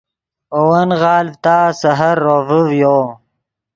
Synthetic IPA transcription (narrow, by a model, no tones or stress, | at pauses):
owɐnɣɑːlvt̪aːsɐɦɐɾːoːvəvjoː